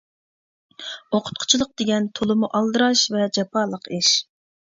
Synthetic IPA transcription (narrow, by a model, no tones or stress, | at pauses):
oqʰʊ̥t̪̚qʰʊ̥t͡ʃʰilˠəq̚d̪̥eɡʲɛnt̪ʰolˠɨmuʔɑlˠd̪ɨɾɑʃvɛd͡ʒɑpʰɑːlˠəqʰiʃ